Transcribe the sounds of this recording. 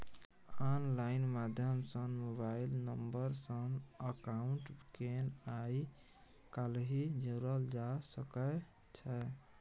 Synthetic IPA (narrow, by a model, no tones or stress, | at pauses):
ɔnlainmad̪ʱjəmsənmoβailnəmbəɾsənəkauɳʈkenai | kalɦid͡ʒəɾəld͡ʒasəkə | t͡ʃʰɛ